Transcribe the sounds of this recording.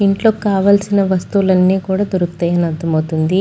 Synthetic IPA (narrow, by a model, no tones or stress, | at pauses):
iɳʈlo̞ːkaːʋaːlsinɐʋɐst̪ulɐnːiːkuːɽaːd̪uɾukt̪ɐːjɐnɐd̪ʱːɐmɐwt̪und̪i